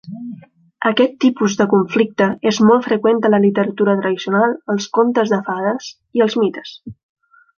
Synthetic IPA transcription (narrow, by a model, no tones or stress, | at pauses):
əkɛt̪ːipuzðəkuɱflik̚t̪əezmɔlfɾəkwɛnt̪ələlit̪əɾət̪uɾət̪ɾəðisiunalˠəlˠskont̪əzðəfað̞əs | iəlˠzmit̪ə̥s